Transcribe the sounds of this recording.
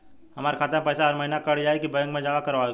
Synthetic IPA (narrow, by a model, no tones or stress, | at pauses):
hɐmaːɾekʰaːt̪ẽpɛːsaəɾmɐɦinakəɽd͡ʒaːekibə̃jə̃ŋɡmẽd͡ʒaːʋakɐɾʋaːe